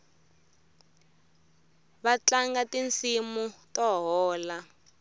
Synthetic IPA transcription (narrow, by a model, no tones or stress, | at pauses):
βat͡ɬaŋɡatint͡simutɔɦɔːla